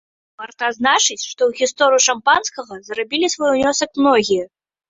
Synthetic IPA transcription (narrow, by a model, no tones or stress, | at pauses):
pɐrt̪aznat͡ʂɨt͡sʲʂt̪ɔwɣʲist̪ɔɾɨjuʂampanskɐɣɐzrabʲilʲisvɔjwnʲɔsɐkmnɔɣʲijɐ